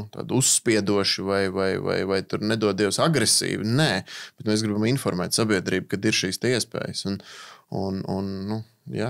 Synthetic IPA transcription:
t̪a̰ːd̪usːpiɛd̪uɔʃɪvajvajva̰jvajt̪uɾnɛd̪uɔd̪iɛʊwsaɡɾesḭːvɪnɛːb̥ɛt̪mɛːsɡɾibaminfɔɾmɛ̰ːt̪sabiɛd̪ɾiːb̚kad̪iɾʃiːst̪ɛiɛspɛ̰ːjəsununṵnːu | ja

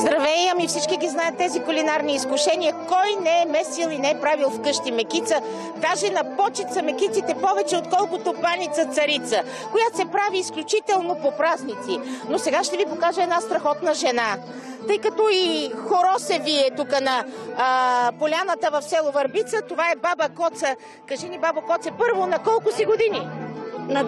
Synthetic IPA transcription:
zd̪ɾɐvɛjəmifsit͡ʃkiɡʲiznajɛt̪ːɛzikʊlinaɾniːskʊʃɛniɐkɔjnɛɛmɛsilˠinɛɛpɾavilˠfkɤʃt̪imɛkit̪sə | d̪aʒɛnɐpɔt͡ʃɛt̪sɐmɛkit̪sit̪ɛpɔvɛt͡ʃɛot̪kɔlˠkot̪opanit̪sət̪sɐɾit̪sə | kojat̪sɛpɾaviːsklʲut͡ʃit̪ɛlˠnopopɾaznit̪sinosɛɡaʃt̪ɛvipokaʒəɛːd̪nast̪ɾɐxɔt̪nɐʒɛna | t̪ɤjkɐt̪ɔixoɾɔsɛviɛt̪ukənɐː | polʲanət̪əvɐfsɛlˠovɐɾbit̪sət̪ovaɛbabəkɔt̪sə | kɐʒɛnibabɐkɔt̪sɛpɤɾvonɐkɔlˠkʊsiɡod̪ini

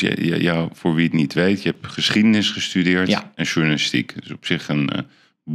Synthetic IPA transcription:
j̰j̰jafʊːɹʋiəknitʋejtjəɦɛpχəsχidənɪsχəstydɪːɹtɛnʒuɹnalɪstḭkɪsɔpsɪχən | b

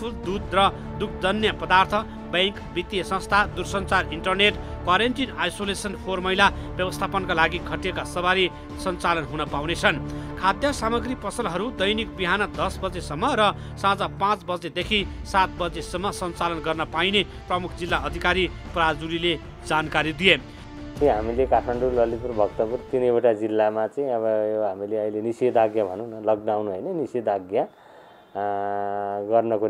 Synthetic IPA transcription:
pʰuld̪ud̪rʌ | d̪uk̚ʰd͡z̪ʌnjʌpʌd̪art̪ʰʌ | bʌŋkbit̪ːijʌsʌ̃st̪ʰad̪ursʌnt͡sariɳʈʌrneʈkwaɾenʈinajsolesʌnpʰormʌjlabjʌbʌst̪ʰapʌnkalaɡikʰʌʈijekasʌβaɾi | sʌnt͡salʌnɦunʌpawnet͡sʰʌnkʰad̪jʌsamʌɡɾipʌsʌlɦʌɾud̪ʌjnikbiɦanʌd̪ʌsbʌd͡zesʌmːʌɾʌ | sãd͡zapãt͡sbʌd͡zed̪ekʰisat̪̚bʌd͡zesʌmːʌsʌnt͡salʌnɡʌrnʌpajne | prʌmukʰd͡zilːaʌd̪ʱikaɾiprad͡zuɾile | d͡zankaɾid̪ije | t̪iɦamilekaʈʰmaɳɖulʌlit̪uɾbʱʌkt̪ʌpurt̪inʌjoʈad͡zilːamat͡sʌĩʌbʌjoɦamileʌjlenisid̪aɡjabʱʌnũnʌlʌɡnawnuɦʌjnʌnisid̪aɡja | ɡʌrnʌko

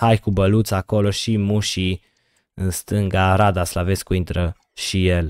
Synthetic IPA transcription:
hajkubəlut̪sako̞lo̞ʃimuʃi | ɨnst̪ɨŋɡaɾad̪aslave̞skuint̪ɾə | ʃijel

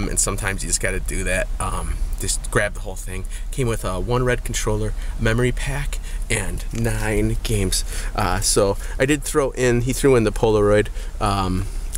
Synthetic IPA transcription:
mɨ̰̃nsʌ̃mtʰãɪ̃mzjɨd͡ʒʌsɡ̥ɑɾɨdɨðæt̚ʔʌ̃md͡ʒʌsɡ̥ɹæb̚ðəhoʊlˠθɪ̃ŋkʰẽɪ̃mwɨðʌwʌ̃nɹɛd̚kʰn̩tʰɹ̥oʊlˠə˞mɛmə˞ipʰækɨ̃nːãɪ̃nɡ̥ẽɪ̃mz̥ʔʌsoʊʔaɪdɨd̪̚θɹoʊʔɪ̃niθɹʉɨ̃nðəpʰoʊlˠəɹɔɪdʔʌ̃m

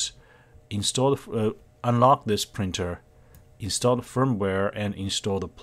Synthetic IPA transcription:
ɪ̃nstɔf | ə̃nlɑk̚ðɪspʰɹ̥ɪ̃ntʰə˞ | ɪ̃nstɔlˠdfɜ̃˞mwɛɹɨ̃nɪ̃nstɔlˠðəpʰ

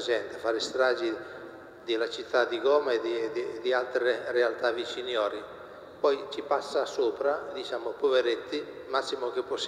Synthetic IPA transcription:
d͡ʒɛnt̪efaːɾist̪ɾaːd͡ʒi | d̪ilat͡ʃit̪ʰːad̪iɡɔːmaed̪id̪id̪ialt̪ɾerealt̪avit͡ʃinjɔːɾi | pɔjt͡ʃipasːasoːpɾad̪it͡ʃaːmopoveɾet̪ːi | masːimok̟epːos

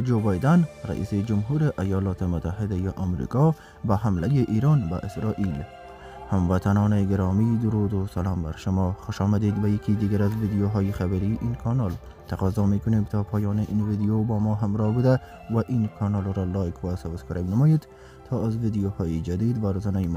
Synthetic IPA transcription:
d͡ʒobɑjd̪anɾa̰ʔḭːsed͡ʒʊmɦuɾeʔajɑlɑt̪emʊt̪ːaɦɪd̪ajeʔamɾḭkɔ | baɦamlajeʔiɾɑnba̰ʔɪsɾɑʔil | hamvat̪ʰanɔːneɡɪɾɔmid̪ʊɾud̪osalɑːmba̰ɾʃʊmɔxʊʃɑmad̪ed̪bajakʰid̪iɡaɾazvid̪ijoɦɔjexabaɾiʔinkʰɔnɑl | t̪ʰaqɒzɔmekʊnemt̪ʰɔːpʰɔːjɑːneʔinvid̪ijobɔːmɔɦamɾɔhbud̪a | waʔinkʰɑnɔlɾɔlɑjkʰwasawskɔɾemnamɔjed̪ | t̪ʰɔːazvid̪ijohɔːjid͡ʒad̪id̪ʋaɾozanajm

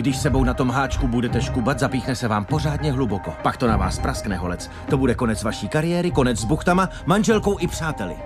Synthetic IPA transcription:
ɡdɪʃsɛbo̞wnat̪o̞mɦaːt͡ʃkubudɛt̪ɛʃkubat̪zapiːxnɛsɛvaːmpo̞r̝aːdɲɛɦluboko̞pakt̪o̞nava̰ːspɾasknɛɦo̞lɛt͡s | t̪o̞budɛko̞nɛt͡svaʃiːkaɾɪjɛːɾɪko̞nɛd͡zzbuxt̪ama | manʒɛlko̞wʔɪpr̝̥aːt̪ɛlɪ̰

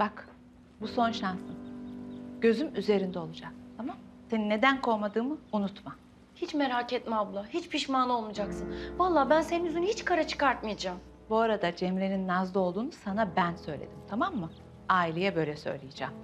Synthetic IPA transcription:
b̥ak | buso̞nʃansɯn | ɟ̥ø̞zymyze̞ɾind̪ɛo̞lˠud͡ʒak̚t̪ʰamamse̞ninːe̞d̪ænkʰo̞jmad̪ɯːmɯunut̪ma | hit͡ʃme̞ɾaːcɛt̪̚mablˠahit͡ʃpʰiʃmaːnˠo̞lˠmud͡ʒaksɯnvalˠːaːbænseninyzynyhit͡ʃkʰaɾat͡ʃʰɯ̥kaɾt̪mɯjad͡ʒaːm | buaɾad̪ad͡ʒemɾe̞ninːazlˠo̞lˠd̪uːnusanabænsø̞jlʲḛd̪imt̪ʰamamːɯ | aːilʲejɛbø̞jlʲɛsø̰jlʲejed͡ʒam

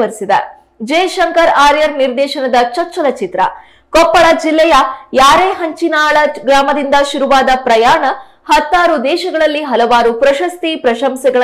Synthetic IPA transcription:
ɐɾisid̪ɐ̰ | d͡ʒɛːʃɐŋkɐɾaːɾjɐɾniɾd̪ɛːʃɐnɐd̪ɐt͡ʃɐɾt͡ʃːɐlɐt͡ʃit̪ɾɐ̰ | kɔpːɐɭɐd͡ʒilːɛjɐjaːɾeːɦɐɲt͡ʃinaːɭɐɡɾaːmɐd̪ind̪ɐʃuɾuʋaːd̪ɐpɾɐjaːɳɐ | hɐt̪ːaːɾud̪ɛːʃɐɡɐɭɐlːiɦɐlɐʋaːɾupɾɐʃɐst̪ipɾɐʃɐmsɛɡɐɭ

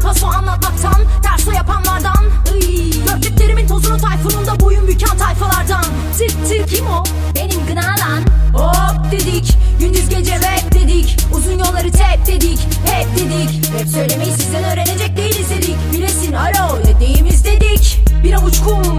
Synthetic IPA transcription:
hʰasoanlˠat̪̚mak̚t̪ʰanpʰæɾsojapʰanlˠaɾd̪anɯ | ɟ̥øɾlʲyclʲe̞ɾimint̪ʰozuɾot̪ʰajfunund̪abojunbycʲʰant̪ʰajfalˠaɾd̪an | sɯɾsʰɯɾcʰimo | be̞nimɡɯnaːd̪anod̪e̞d̪icɟynd̪yzɡɟed͡ʒɛvɛpd̪e̞d̪icuzunjolˠːaɾɯt̪ʰɛp̚d̪e̞d̪ic | hɛp̚d̪e̞d̪ic | hɛpsø̞jlʲemejisizd̪ɛnøːɾe̞ne̞d͡ʒɛc̚d̪ejimizd̪e̞d̪icbilesinaɾo | ɛd̪ejimizd̪e̞d̪icbiɾaut͡ʃkʰu

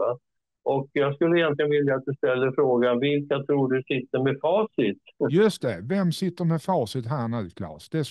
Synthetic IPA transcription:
a | ʔɔkjɑːɡskɵlːəɪjɛnt̪lɪənvɪljat̪̚d̪ɵst̪ɛlːəɾfɾoːɡanvɪlkat̪ʰɾuːɖɵsɪt̪ːəɾmɛfɑːsɪt̪jɵst̪ɛvɛmsɪt̪ːəɾmɛfɑːsɪt̪ɦænakʰlɑ̰ːsd̪ɛs

